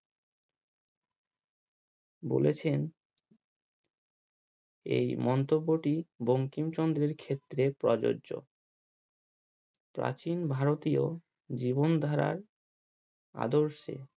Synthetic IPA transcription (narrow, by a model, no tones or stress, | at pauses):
bo̰let͡ɕʰen | ḛjmɔnt̪obːoʈiboŋkimt͡ɕɔnd̪ɾeɾkʰet̪ːɾepɾɔd͡ʑo̰o̰ | pɾa̰t͡ɕinbʱaɾot̪io | d͡ʑibond̪ʱaɾa̰ɾ | a̰d̪oɾʃḛ